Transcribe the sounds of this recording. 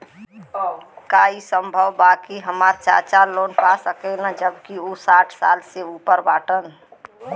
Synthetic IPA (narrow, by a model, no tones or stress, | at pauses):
kaisəmbʱəʋbakiɦəmaɾt͡ʃa̰ɾt͡ʃalonpasəkɛnad͡ʒəbkiosaʈʰsa̰lseupəɾbaʈən